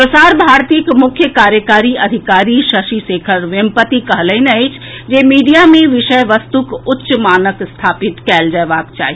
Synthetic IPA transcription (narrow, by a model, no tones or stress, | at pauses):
pɾəsaːɾbʱaːɾt̪iːkmʊkʰjəkaːɾjəkaːɾiəd̪ʱikaːɾiʃəʃisekʰəɾʋempət̪ikəɦləɪnəɪt͡ʃʰd͡ʒemiːɖijamẽʋɪʃəjʋəst̪ukʊtːʃmaːnəkst̪ʰaːpit̪kɛld͡ʒəbaːkt͡ʃa̰ːɦi